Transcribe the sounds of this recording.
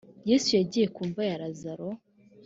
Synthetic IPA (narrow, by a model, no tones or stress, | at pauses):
jesujaɟiːje̞kuːɱvajaɾazaɾo